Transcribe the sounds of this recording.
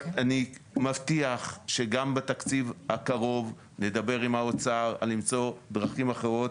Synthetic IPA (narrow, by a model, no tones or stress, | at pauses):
animavt̪iaχʃe̞ɡambet̪akt͡sivhakaʁo̞v | ne̞d̪abe̞ʁimaot͡saʁa̰limt͡so̞d̪ʁaχimaχeʁo̞t̪